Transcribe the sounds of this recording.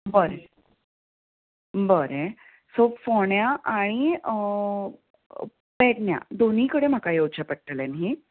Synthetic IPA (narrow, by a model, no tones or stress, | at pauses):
bəɾe | bəɾe | sofoɳjaʔaɽ̃i | pɛʈnja̰d̪oniːkəɽem̤akajowt͡ɕapəʈ̚ʈəlenɦi